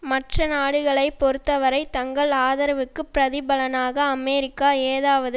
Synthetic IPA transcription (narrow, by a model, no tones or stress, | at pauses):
mɐʈrɐnaːɽɯɣɐɭɐɪpːɔɾɯt̪ːɐʋɐɾɐɪt̪ɐŋɡɐɭaːðɐɾɐʋɯkːɯpːɪɾɐðɪbɐlɐnaːɣɐːmeːɾɪkːaːeːðaːʋɐðɯ